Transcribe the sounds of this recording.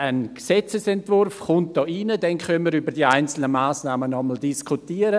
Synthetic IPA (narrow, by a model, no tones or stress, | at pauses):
ənksɛt͡səsɛntvʊrfχʊnt̚d̥ɑːʔinədɛnkœnməɾybəɾdiːaɪnt͡sl̩nəmaːsnaːmənɔməl̩diskʰutiːəɾə